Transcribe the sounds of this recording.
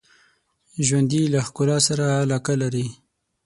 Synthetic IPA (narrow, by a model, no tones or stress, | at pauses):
ʒwand̪ilaxkʊlɑsaɾaːlɑkalaɾi